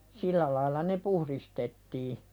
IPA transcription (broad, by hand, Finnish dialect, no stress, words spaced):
sĭlːæ lɑilˑɑ ne puhɾistetːiː